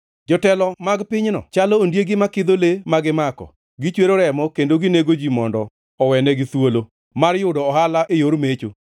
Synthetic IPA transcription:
d͡ʒɔtɛlɔmaɡpɪɲnɔ̰t͡ʃalɔːndjeɡɪmakɪd̪olemaɡɪmakɔ̰ | ɡɪt͡ʃweɾoɾɛmɔkendoɡɪneɡod͡ʒimɔndɔ | ɔwɛnɛɡɪswolo | marjʊdɔːhalaʔɪjoɾmet͡ʃo

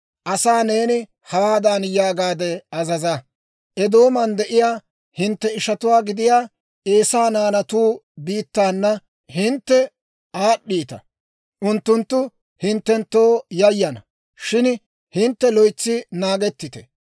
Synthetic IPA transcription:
ʔɐsaːne̞ːnɪ | hɐwaːd̪aːnjaːɡaːd̪ɛɐzɐzɐ | ʔɛd̪o̞ːmɐnd̪ɛʔɪjaː | hɪnt̪ːɛɪʃɐt̪ʊwaːɡɪd̪ɪjaː | ʔe̞ːsaːnaːnɐt̪uːbiːt̪ːaːnːɐ | hɪnt̪ːɛ | ʔaːɗːiːt̪ɐ̰ | ʔʊnt̪ːʊnt̪ːʊ | hɪnt̪ːɛnt̪ːo̞ːjɐjːɐnɐ | ʃɪn | hɪnt̪ːɛlɔjt͡sːɪnaːɡɛt̪ːɪt̪ɛ̥

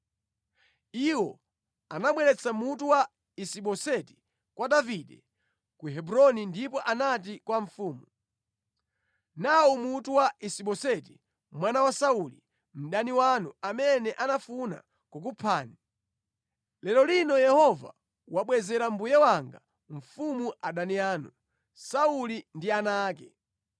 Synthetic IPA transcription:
iwɔ | anamwɛɾɛt͡sʰamutuwa | isiɓɔsɛti̥ | kwadaviɗɛ | kuɦɛbuɾɔnindipɔʔanat̬ikwaɱ̩fuːmu | naumutuwaʔisiɓɔsɛti | mwanawasauli | m̩ɗaniwanuamɛnɛʔanafuna̰ | kuk̬upʰaːni | lɛlɔlinɔjɛhɔva̰ | waɓwɛzɛɾam̩bujɛwaŋɡa | ɱ̩fumuʔaɗaniaːnu | saulindianaːkɛ

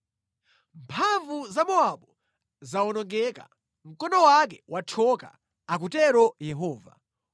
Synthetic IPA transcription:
mpʰaɱvuzamɔaɓɔ | zaɔnɔŋɡɛka̰ | m̩kɔnɔwak̬ɛwʔatʰɔka̰ | ak̬utɛɾɔjɛɦɔːva̰

